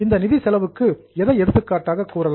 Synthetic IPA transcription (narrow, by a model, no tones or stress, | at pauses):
ɪnd̪ɐnɪðisɛlɐʋɯkːɯ | ɛðɐɪɛɽɯt̪ːɯkːaːʈːaːɣɐkːuːɾɐl